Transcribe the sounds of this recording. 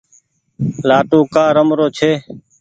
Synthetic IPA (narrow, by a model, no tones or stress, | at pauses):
laːʈũːkaːɾəmɾoːt͡ʃʰeː